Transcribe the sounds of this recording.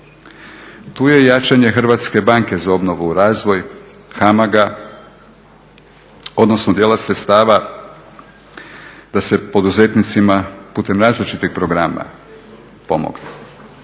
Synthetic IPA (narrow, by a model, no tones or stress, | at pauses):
t̪uːje̞jat͡ʃaɲe̞xr̩ʋat̪ske̞baŋke̞zao̞bno̞ʋuːɾaːzʋo̞j | xamaɡa | o̞d̪no̞snod̪jeːlasɾet̪st̪aːʋa | d̪̥ase̞po̞d̪uze̞t̪nit̪simapuːt̪e̞mɾaːzlit͡ʃit̪iɡ̚pɾoɡɾaːma̰ | po̞mo̰ɡne